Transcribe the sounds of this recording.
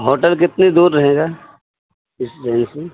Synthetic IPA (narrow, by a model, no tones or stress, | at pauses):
ɦoːʈəlk̬ɪt̪nid̪uːɾːɐɦeːɡaː | ɪsd͡ʒɛːnse